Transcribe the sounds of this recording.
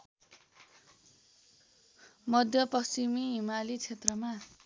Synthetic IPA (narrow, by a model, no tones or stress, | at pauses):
mʌd̪ʱjʌpʌst͡simiɦimalit͡sʰet̪rʌma